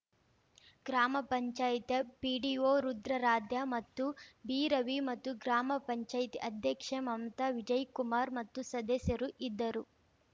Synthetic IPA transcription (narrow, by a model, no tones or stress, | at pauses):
ɡɾaːmɐpɐɲt͡ʃaːjit̪ɐpiːɖioːɾud̪ɾɐɾaːd̪jɐmɐt̪ːubiːɾɐʋimɐt̪ːuɡɾaːmɐpɐɲt͡ʃaːjt̪iʔɐd̪ʱjɐkʂɐmɐmt̪ɐʋid͡ʒɐjkumaːɾmɐt̪ːusɐd̪ɐsjɐɾuʔid̪ːɐɾu